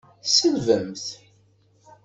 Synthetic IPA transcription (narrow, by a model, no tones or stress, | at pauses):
səlvəmθ